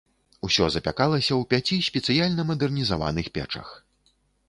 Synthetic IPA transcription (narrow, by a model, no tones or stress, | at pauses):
usʲɔzɐpʲa̰kalˠɐsʲɐwpʲat͡sʲisʲpʲɛt̪sɨjalʲnɐmɐd̪ɛrnʲizava̰nɨxpʲɛ̰t͡ʂɐ̰x